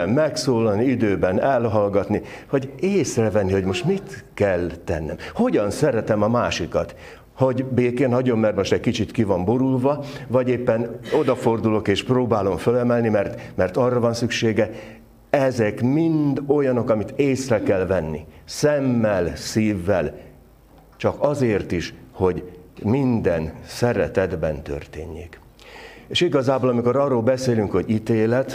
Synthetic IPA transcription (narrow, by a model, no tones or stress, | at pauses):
mɛksoːlɒlniid̪øːbɛnɛlɦɒlɡɒt̪niho̞ɟeːsrɛvɛnːiho̞ɟmo̞ʃt̪mit̪kɛlt̪ɛ̰nːɛ̰mho̞ɟɒnsɛɾɛt̪ɛmɒmaːʃikɒt̪ | ho̞ɟbeːkeːnɦɒɟo̞mːɛrt̪mo̞ʃt̪ɛckit͡ʃit̪kivɒmbo̞ɾulvɒvɒɟeːpːɛno̞d̪ɒfo̞rd̪ulo̞keːʃproːbaːlo̞ɱfølɛmɛlnimɛrt̪mɛrt̪ɒrːɒvɒnsykʃeːɡɛ | ɛzɛkmind̪o̞jɒno̞kɒmit̪eːsrɛkɛlvɛnːḭsɛmːɛlsiːvːɛl | t͡ʃɒkɒzeːrt̪iʃho̞ɟmind̪ɛnsɛɾɛt̪ɛd̪bɛnt̪ø̰rt̪eːɲːeːk | eːʃiɡɒzaːbolɒmiko̞ɾɒrːoːlbɛseːlyŋkho̞ɟit̪eːlɛt̪